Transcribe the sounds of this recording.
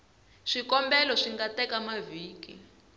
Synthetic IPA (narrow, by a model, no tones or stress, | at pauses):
ʂikɔmbɛlɔʂiŋɡatɛkamaviːkḭ